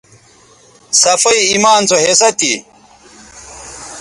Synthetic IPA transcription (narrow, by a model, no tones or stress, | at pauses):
sɐfɐiimaːnt͡soɦesɐt̪ḭ